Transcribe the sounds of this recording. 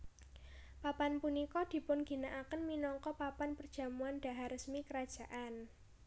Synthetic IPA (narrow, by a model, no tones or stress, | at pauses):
papanpunikɔd̪̥i̤pʊnɡ̥i̤naʔakənminɔŋkɔpapanpərd̥ʒ̥a̤muand̥a̤ɦaɾəsmikəɾḁʒ̥a̤ʔan